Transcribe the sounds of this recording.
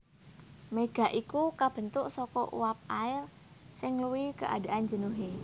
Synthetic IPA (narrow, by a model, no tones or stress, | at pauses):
meɡ̥a̤ʔikukab̥ə̤nt̪ʊʔsɔkɔʔṵwap̚aɪr | sɪŋluwikəʔa̰d̥a̤ʔand͡ʒə̤nuɦe